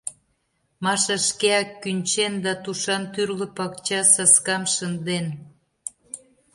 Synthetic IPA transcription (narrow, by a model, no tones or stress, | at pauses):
mɑʃɑʃkeɑkːynʲt͡ɕend̪ɑt̪uʃɑnt̪yrlə̆pɑkt͡ɕɑsɑskɑmʃənd̪en